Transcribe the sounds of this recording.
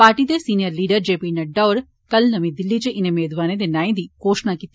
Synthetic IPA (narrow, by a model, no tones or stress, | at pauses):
paːʈit̪esiːnijɐɾliːɖɐɾd͡ʒeːpinɐɖɐʋɐɾ | kɐlnɐmid̪ilːit͡ʃeʔinɐmeːd̪ʋaːned̪enaːjnd̪ikoːʂnakit̪